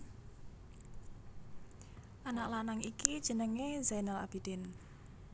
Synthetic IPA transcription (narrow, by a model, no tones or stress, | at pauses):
ʔanaʔlanaŋikid̥ʒ̥ə̤nəŋezajnala̰b̥id̪̥ɪn